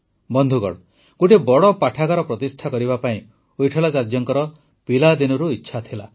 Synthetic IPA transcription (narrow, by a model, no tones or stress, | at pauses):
bɔnd̪ʱuɡɔ̰ɽɔ | ɡoʈibɔɽɔpaʈʰakaɾɔpɾɔt̪isʈʰakɔɾibapaĩ | ojʈʰɔlasaɾd͡ʒjɔŋkɔɾɔ | pilad̪inɔɾuitːʃʰat̪ʰila